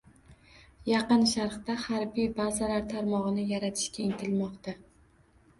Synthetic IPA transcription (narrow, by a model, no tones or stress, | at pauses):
jɑqɨnʃaɾχt̪ahaɾbijbazalaɾt̪ʰaɾmɒʁɨnɪjaɾat̪ʰɪ̥ʃkʲaɪŋt̪ʰɪlmɒqt̪a